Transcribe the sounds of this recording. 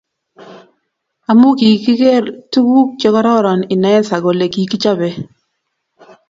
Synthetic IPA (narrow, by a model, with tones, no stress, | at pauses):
a˨mu˦ki˨ki˦ke˦ɾtu˦wu˦k̚t͡ʃe˦kɔ˦ɾɔ˦ɾɔ˨nɪ˨nɛ˨ɛ˦nsa˨ɡo˨le˨ki˨ki˦t͡ʃa˦be˦